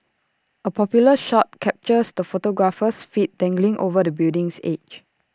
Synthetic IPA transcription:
ʔəpʰɔpjuləʃɔt̚kʰɛp̚t͡ʃəsdəfotoɡɹafəsfit̚d̥ɛ̃ŋɡlĩŋʔo̰vədəbildĩŋsḛd͡ʒ

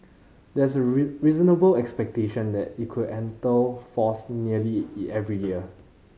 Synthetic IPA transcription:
dɛsəɹizənəbəlɛkspɛk̚teʃə̃ndɛtit̚kʰudɛ̃ntəfɔsniəliɛvɹijiə

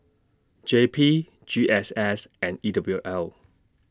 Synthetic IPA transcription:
d͡ʒepʰi | d͡ʒiʔɛsɛsɛ̃nidʌbluʔɛl

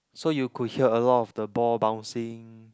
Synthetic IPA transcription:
sojukʰud̚hiəəlɔtɔfdəbɔlbãʊw̃nsĩŋ

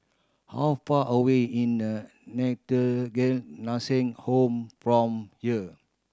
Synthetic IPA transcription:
ha̰wfaʔəweĩnə | nɛtəɡɛnasĩŋhõmfɹɔ̃mhiə

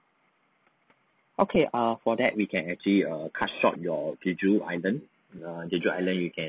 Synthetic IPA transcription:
ʔokʰeʔʌfɔdɛt̚wikʰɛ̃nɛk̚t͡ʃəliʌkʰatʃɔ̰p̚jɔɡud͡ʒua̰ɪlə̃n | aɡud͡ʒua̰jlə̃njukʰɛ̃

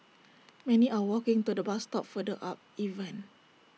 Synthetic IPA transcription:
mɛ̃niʔawɔkɪ̃ŋt̪udəbast̪ɔp̚fədəʔap̚ivə̃n

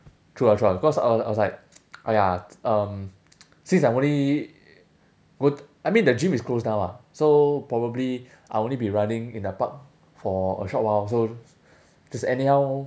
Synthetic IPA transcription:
tʰɹuatʰɹabikɔsa̰ɪwɔa̰jwɔslaɪk̚ʔajaʌ̃m | sĩnsajõnli | ɡo | ajmĩndəd͡ʒĩmisklosnãwasopɹɔbəbli | ʔajõnlibiɹãnĩŋĩndəpak̚ | fɔə̰ʃɔt̚was̬o | d͡ʒɛsɛnihaʊ

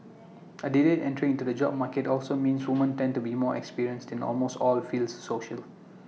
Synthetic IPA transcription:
ədidetɛ̃ntəɹĩŋĩntudəd͡ʒɔ̰b̚maketɔlsomĩnswumə̃ntɛ̃ndtubimɔːɛ̰kspiɹiə̃nstɛ̃nɔ̰lmostɔlfiːlsːoʃəl

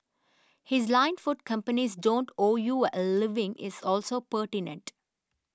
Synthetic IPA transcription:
hɪzlãɪ̃nfʊʈ̚kʌ̃mpənizɖõːɳʈoːjulɪʋɪ̃ŋɪ̰zɔːlsoːpəɾʈɪnə̰̃ɳʈ

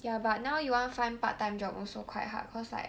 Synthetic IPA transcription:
jabat̚nãwjuwãnfãɪ̃npat̚tːãj̃md͡ʒɔpɔ̰̃sokʰw̥a̰jtɦa̰tkʰɔsa̰ɪ

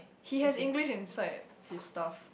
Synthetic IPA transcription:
hihɛsĩŋɡliʃĩnsaɪt̚ | histaf

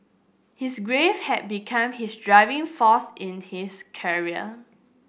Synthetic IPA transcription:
hisɡɹevhɛt̚bikʰãmhisdɹaɪvɪ̃ŋfɔsɪ̃nhiskʰɛɹiə̰

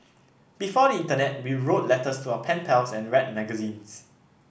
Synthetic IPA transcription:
b̥ifɔdəĩntənɛt̚wiɹot̚lɛtəstʰuaəpʰɛ̃npʰɛlsɛ̃nɹɛt̚mɛɡəzĩns

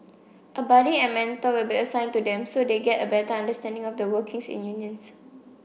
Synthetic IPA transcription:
ʔəbɔdiɛ̃nmɛ̃ntowilbiəsãɪ̃ntudɛ̃msodeɡɛtəbɛtəãndəstɛ̃ndɪ̃ŋɔfdəwəkɪ̃ŋsḭ̃njuniə̃ns

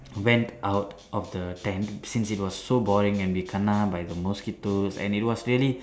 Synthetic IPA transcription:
wɛ̃ntʔawtʔɔfd̪ətɛ̃ntsĩnsit̚wɔsːobɔɹĩŋɛ̃nwikʰənabajd̪əmɔskitosɛ̰̃nit̚wɔsɹiəli

